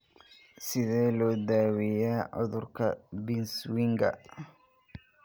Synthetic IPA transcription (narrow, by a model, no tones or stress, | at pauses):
sɪðɛːlɔːd̪aːwɛjaːʕʊ̰ðʊrkʰɐbinswɪŋɡɐ̰